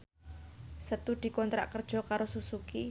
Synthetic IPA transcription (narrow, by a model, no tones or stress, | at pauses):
sət̪uɖ̪̥i̤kɔnt̪ɾa̰ʔkərd̥ʒ̥ɔ̤kaɾosusuki